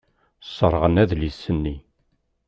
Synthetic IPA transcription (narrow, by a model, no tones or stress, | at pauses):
sˤːəɾˤʁənæðlisːənːi